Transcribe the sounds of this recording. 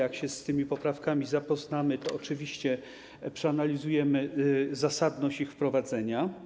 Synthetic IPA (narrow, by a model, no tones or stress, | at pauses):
jakɕɛst̪ɘmʲipɔpɾafkamʲizapɔznamɘt̪ɔɔt͡ʂɘvʲiɕt͡ɕɛ | pʂɛanalʲizujɛmɘzasad̪nɔɕt͡ɕixfpɾɔvad̪zɛɲa